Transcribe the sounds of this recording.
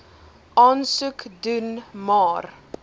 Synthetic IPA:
ʔɑːnsʉkdunmɑːr

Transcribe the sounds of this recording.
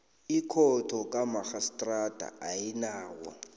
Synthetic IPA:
ikʰɔtʰɔkʼamaxastʼrad̥ʱa̰ʔajinaːwɔ̰

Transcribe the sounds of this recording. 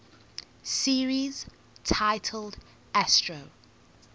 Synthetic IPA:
siːɹiz̥ | tʰaɪtʰəlˠd | ɛstɹ̥əʊ

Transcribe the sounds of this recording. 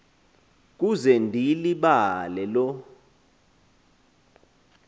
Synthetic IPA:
k̬uzɛndʱiliɓalɛlɔ

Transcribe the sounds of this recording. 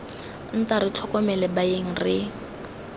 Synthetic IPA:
n̩taɾɪt͡ɬʰɔkɔmɛlɛbaeŋ̩rɪ

